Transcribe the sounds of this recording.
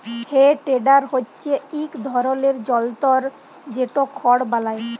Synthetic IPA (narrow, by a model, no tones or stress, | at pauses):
heʈeɖaɾɦotːɕʰeikd̪ʱɔɾoleɾd͡ʑɔlt̪ɔɾ | d͡ʑeʈokʰɔɽbalae